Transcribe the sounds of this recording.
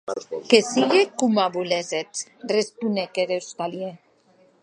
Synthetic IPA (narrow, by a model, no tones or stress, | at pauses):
kesiɣekumaβulezet̪respunekeðewst̪alje